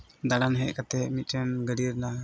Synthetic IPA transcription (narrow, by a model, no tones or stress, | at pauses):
d̪aɽanɦɛʔ̚kat̪ɛʔmit̪̚ˀɾɛnɡəɖiɾla